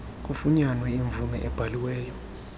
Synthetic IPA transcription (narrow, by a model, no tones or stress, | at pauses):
kʼufuɲanwɛiɱvumɛ̰ʔɛb̥ʱaliwɛːjɔ